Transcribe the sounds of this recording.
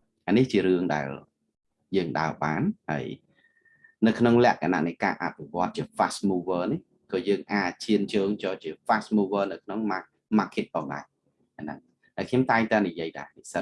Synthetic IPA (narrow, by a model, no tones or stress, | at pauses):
ʔaniht͡ɕiəɾɨəŋɗa̰ɛl | jəːŋɗa̰əɓaːnha̰əj | nɨwkʰnoŋlɛ̆əʔkʰana̰ʔnɨjka̰ːʔapʰːiʋŏət̪̚t͡ɕiəfasmuːʋəːnih | kɑːjəːŋʔaːc̚t͡ɕiənt͡ɕəːŋt͡ɕɑːt͡ɕiəfasmuːʋəːnɨwkʰnoŋma | maːkʰit̪̚pʰɑːŋɗa̰ɛ | ʔanə̰ŋ | haəjkʰɲomt̪aɛŋt̪aɛnijiəjɗa̰ɛnisət̪̚